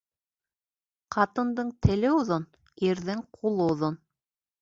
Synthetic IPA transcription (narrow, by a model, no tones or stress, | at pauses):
qɑt̪ɤ̆nd̪ɤɴt̪ʰɘ̆lɘuðon | iɾðɘŋqʰulˠɤŏðon